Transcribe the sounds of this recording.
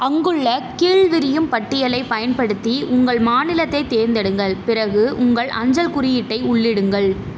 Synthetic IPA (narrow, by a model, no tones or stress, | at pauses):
ɐŋɡɯɭːɐkiːɭʋɪɾɪjɯmpɐʈːɪjɐlɐɪpɐjɐnpɐɽɯt̪ːiʔʊŋɡɐɭmaːnɪlɐt̪ːɐɪt̪ːeːɾnd̪ɐɽɯŋɡɐɭpɪrɐɣɯʔʊŋɡɐɭʔɐ̰ɲd͡ʒɐlkʊɾɪjɪʈːɐɪʊɭːɪɽɯŋɡɐɭ